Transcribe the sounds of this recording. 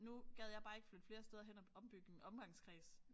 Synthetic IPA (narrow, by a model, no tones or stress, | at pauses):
nuɡ̥ɛð̞̰ˠjɑ̈ɪbɑ̈ːeɡ̥əflød̥fle̝ːɐsd̥eð̞ˠɐɦen̰ɒɒ̽mb̥yɡ̥əenɒ̽mɡ̥ɑ̈ŋskʰʁiːs